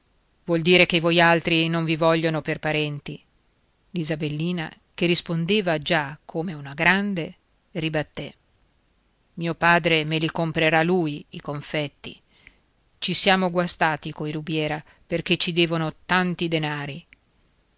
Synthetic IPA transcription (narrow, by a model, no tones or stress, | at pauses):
vwɔld̪iːɾekevɔjalt̪ɾinoɱvivɔʎːonoperpaɾɛnt̪i | lizabelːiːna̰ | kerːispond̪eːvad͡ʒakʰːomeunaɡɾand̪e | ribat̪ːɛ | miːopaːd̪ɾemelikompɾeɾaluːjikoɱfɛt̪ːḭ | t͡ʃisjaːmoɡwast̪aːt̪ikoiɾubjɛːɾa | perk̟et͡ʃːid̪ɛːvonot̪ant̪id̪enaːɾi